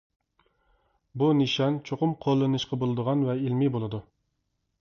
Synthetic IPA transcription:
bunɨʃɑnt͡ʃʰoqʊmqʰolˠːɨnɨʃqɑbolˠɨd̪əʁɑnvɛilmɪbolˠɨd̪u

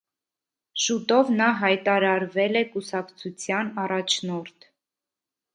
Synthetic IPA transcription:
ʃut̪ɔvnɑɦɑjt̪ɑɾɑɾvɛlɛkusɑkt͡sʰut͡sʰjɑnɑrɑt͡ʃʰnɔɾt̪ʰ

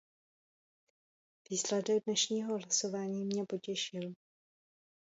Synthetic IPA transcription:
v̥iːslɛdɛɡ̚dnɛʃɲiːɦo̞ɦlasovaːɲiːmɲɛpo̞cɛʃɪl

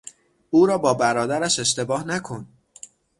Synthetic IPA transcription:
uːɾɒːbɒːbæɾɒːd̪æɾæʃe̞ʃt̪e̞bɒːhnækʰo̞n

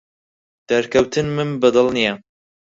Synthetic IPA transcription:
d̪̥ɐɾkʰɐwt̪ʰɨnmɨnbɨd̪ɨlˠnija

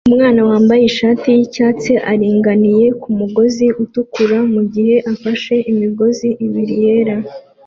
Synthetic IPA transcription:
umŋaːnawaːmbajeʃaːtijicaːt͡se̞ʔaɾiːŋɡanije̞kumuɡo̞ziʔutukuɾamuɟihe̞ʔafaʃe̞ʔimiɡo̞ziʔiβiɾije̞ːɾa

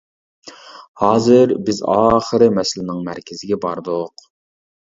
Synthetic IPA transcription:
hɑːzɨɾbɪzɑːχəɾɪmɛsɪlɪnɪŋmæ̰ɾkʲʰɪzɪɡʲɛbɑɾd̪oq

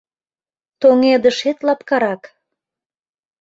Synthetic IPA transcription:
t̪oŋed̪əʃet̪lɑpkɑɾɑk

